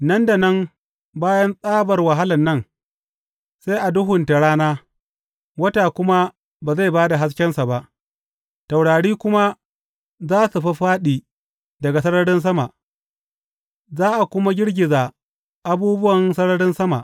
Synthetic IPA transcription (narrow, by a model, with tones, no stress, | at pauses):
nɐ˦nda˨nɐ˦m | baː˦jɐ˦nsʼaː˦bɐ˨rwɐ˨ɦa˦lɐ˨nːɐ˦n | se˦jʔa˨dʊ˦ɦʊ˨nta˨ɽaː˦naː˦ | wɐ˦taː˨kʷʊ˦ma˦ | baː˨za˦˨baː˦da˨ɦa˦s̬kʲɛ˦nsa˨ba˦ʔ | ta˨wɽaː˨ɽiː˦kʷʊ˦ma˦ | zaː˦su˨ɸɐ˦ɸaː˦ɗiː˨ | dɐ˨ɡa˨sɐ˦ɽɐ˦ɽɪ˦ns̬ɐ˦ma˨ʔ | zaː˦ʔa˨kʷʊ˦ma˦ɡʲɪ˦ɽɡʲɪ˨zaː˨ | ʔa˨buː˦bʊ˦wɐ˨nsɐ˦ɽɐ˦ɽɪ˦nsɐ˦ma̰˨ʔ